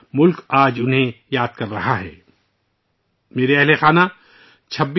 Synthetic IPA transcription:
mʊlkaːd͡ʒʊnɦẽjaːd̪̚kɐɾːɐɦaɦɛ̰ː | meːɾeɛɦlexaːnã | t͡ʃʰɐbːi

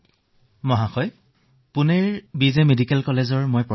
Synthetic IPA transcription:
mɔɦaxɔj | pʊneɹbizemedikɛlkɔlezɔɹmojpɹɔ

